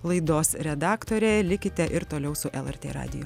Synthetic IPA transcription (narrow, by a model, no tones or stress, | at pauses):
lˠɐɪd̪oːsɾʲɛd̪ɑːkt̪oːɾʲɛlʲɪkʲɪt̪ʲɛʔɪɾt̪oːlʲɛʊsʊʔɛlˠɛɾʲt̪ʲḛːɾɑ̰ːd̪ʲɪ̰jʊ